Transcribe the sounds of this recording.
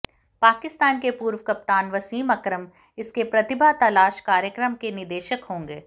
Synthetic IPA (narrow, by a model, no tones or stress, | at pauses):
paːkɪst̪aːnkepuːɾʋəkɐp̚t̪aːnʋɐsiːmɐkɾəm | ɪskepɾɐt̪ɪbʱat̪ɐlaːʃkaːɾjəkɾəmkenɪd̪eːʃəkɦõːŋɡeː